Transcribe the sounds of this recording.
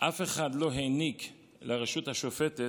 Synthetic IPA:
ʔafe̞χadlo̞ɦenik | leʁeʃuthaʃofete

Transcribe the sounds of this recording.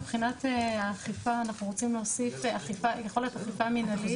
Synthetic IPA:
bχinateaχifaːnaχnuʁot͡simleosifaχifajeχo̞lijotaχifaminali

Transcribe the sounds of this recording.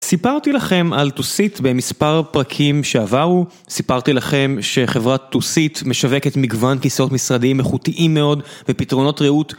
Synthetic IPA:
sipaʁt̪ilaχe̞maltusitbe̞mispaʁpʁakʰimʃe̞avaʁu | sipaʁt̪ilaχe̞mʃe̞χe̞vʁat̪ːusit̪me̞ʃave̞ke̞t̪miɡvankiso̞tmisʁadiimeχutiʔimːe̞o̞dvepitʁo̞no̞tʁeut

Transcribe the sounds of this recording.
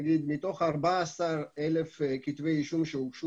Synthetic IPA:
ɡid̪mit̪o̞χaʁbaasaʁelefkit̪vejiʃumʃeukʃu

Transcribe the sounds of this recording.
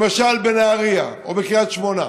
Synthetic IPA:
maʃalbeneaʁia̰ | o̰beχijat̪ʃmo̞na

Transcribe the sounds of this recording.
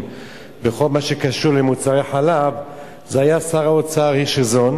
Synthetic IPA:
beχo̞lmaʃekaʃuʁlemut͡saʁejħalav | zeajaːsaʁaot͡saaʁiʃezo̞n

